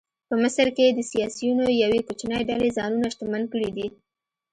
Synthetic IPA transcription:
pəmɪsəɾked̪əsijɑsijunojawekot͡ʃnəjɖalezɑnunaʃt̪amankəɽid̪i

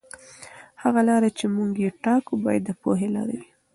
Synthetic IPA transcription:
haɣalɑɾat͡ʃemuɡjeʈɑkubɑjad̪ːəpo̰ɦelɑ̰ɾa̰wi

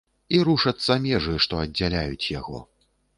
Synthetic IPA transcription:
iɾuʂɐt̪sːɐmʲɛʐɨʂt̪ɔɐdd͡zʲːalʲajut͡sʲja̰ɣɔ̰

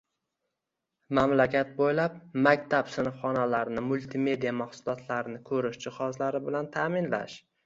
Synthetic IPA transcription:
mamlakʲʰat̪̚bojlap̚makʲt̪ʰapsɪnɨfχɒnalaɾnɪmʊlˠt̪ʰɪme̞d̪ijamaχsʊlˠɒt̪ʰlaɾɪnɪkʰɵɾɪʃd͡ʒɪχɒzlaɾɪbɪlant̪ʰaːmɪnla̰ʃ

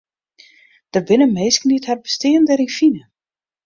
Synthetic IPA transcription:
d̥ərbɪnəmeːskənithɛrbəstɪəndəɾinfinə

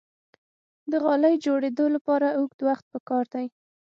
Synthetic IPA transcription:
d̪əɣɑləjd͡ʒoɽed̪olapɑɾauɡ̚d̪waxt̪̚pəkɑɾd̪aj

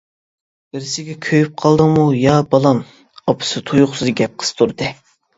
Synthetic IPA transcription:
bɪɾɪsɪɡʲɛkʲʰøjyp̚qʰɑlˠd̪ɨmujɑbɑlˠɑm | ɑpʰɨ̥sɨt̪ʰujʊχsɨzɡʲɛp̚qʰə̥st̪ʰuɾd̪ɨ

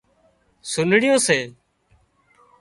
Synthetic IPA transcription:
sʊnɽɪjõːseː

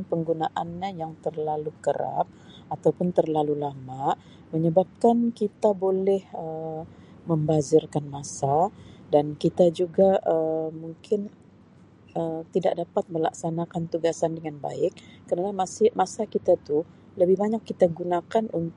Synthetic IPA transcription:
npəŋɡunaʔanɲajaŋt̪ərlalukəɾa̰p̚at̪awpʊnt̪ərlalulamaʔ | məɲəbap̚kankit̪abolɛhə | məmbazɪrkanmasadankit̪ad͡ʒuɡaəmuŋkʰɪn | ət̪ida̰ʔ̚dapat̪̚məla̰ksanakant̪uɡasandəŋanba̰ɪk̚ːərnanamasmasakit̪at̪u | ləbɪhbaɲakːit̪aɡunakanun

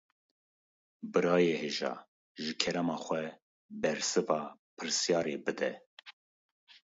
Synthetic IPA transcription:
bɨɾɑːjeːheːʒɑ̰ː | ʒɨkʰɛɾɛmɑːxʷɛ | bɛɾsɨvɑːpʰɨɾsjɑːɾebɨd̪ɛ

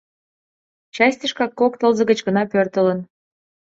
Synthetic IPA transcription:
t͡ɕɑsʲt̪ʲəʃkɑkːokt̪əlzə̆ɣə̆t͡ɕɣənɑpørt̪ələ̆n

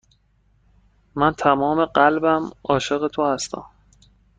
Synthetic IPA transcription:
mænt̪ʰæmɒːme̞ɢælbæmɒːʃe̞ɣe̞t̪ʰohæst̪æ̰m

